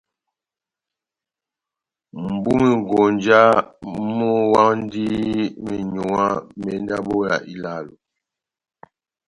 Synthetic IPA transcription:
m̩˨bu˦mi˨ŋ˨ɡo˨nd͡ʒa˦mɔ˦wa˦n˦di˦mi˨ɲu˨a˦mɛ˨˦n˦da˦bo˦ja̰˨ʔi˦la˦˨lu˨

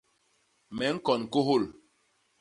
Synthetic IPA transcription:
mɛ˨˦ŋ̩˦kɔ˨n˨ko˦ɦo˦˨l

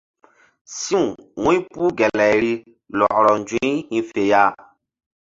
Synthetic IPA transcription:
sĩ˦ũ˨wũ˦ĩ˦pu˦ɡɛ˨lɛ˨ɾi˦ | lɔ˨ʔɾɔ˨n˨d͡ʒĩ˦hĩ˦fe˨ja˦˨

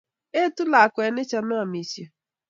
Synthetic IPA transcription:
e˦tʊ˦la˨a˨kʷe˨ne˦t͡ʃa˨na˦a˨mi˨se˨

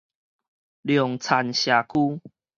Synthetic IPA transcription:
ljɔ˨˩ŋt͡sʰa˨˩nɕja˨kʰu˦

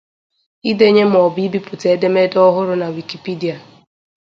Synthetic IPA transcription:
i˦de˦ɲe˦m̩˨ɔ˨bi˦bi˦pʊ˨te˨e˦de˦me˦dɔ˦ɦʊ˦ɾʊ˦na˨wi˨ki˨pi˦di˨a˨

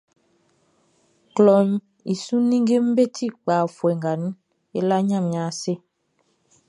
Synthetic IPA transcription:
klɔ˨ɲ | i˨su˦nĩ˦ŋ˦ɡe˦m̩˦be˦tʰi˦˨k͡paː˨fwɛ˨ŋɡa˨n˦ | e˦la˦ɲã˦˨mɲa˨˦se˦

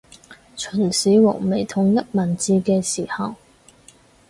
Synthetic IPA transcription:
t͡ʃʰɵ˨˩nsiː˨˥wɔ̰ː˨˩me˨˩jt̪ʰʊ˨ŋjɐ˥t̚mɐ˨˩nt͡siː˧kɛː˧siː˨˩hɐ˨w

